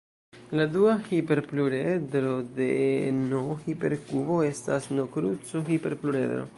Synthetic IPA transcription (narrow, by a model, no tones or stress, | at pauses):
laduahipe̞ɾpluɾedɾo̞denoxipe̞ɾkubo̞e̞stasnokɾut͡soxipe̞ɾpluɾe̞̰d̪ɾo̰